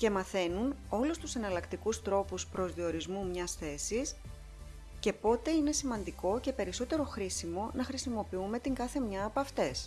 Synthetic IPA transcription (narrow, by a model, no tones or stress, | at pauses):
ce̞mɐθe̞nuno̞lust̪usenɐlɐkt̪ikust̪ɾo̞puspɾo̞zðio̞ɾizmumɲɐsθe̞sis | ce̞po̞t̪e̞ine̞simɐnd̪iko̞ce̞pe̞ɾiso̞t̪e̞ɾo̞xɾisimo̞nɐxɾisimo̞piume̞t̪iŋɡɐθe̞mɲɐːpɐft̪e̞s